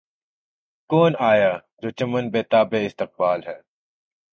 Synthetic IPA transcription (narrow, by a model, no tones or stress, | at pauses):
koːnaːjaː | d͡ʒoːt͡ʃɐmənbeːt̪aːbeːɪst̪ɪq̚baːlɦɛː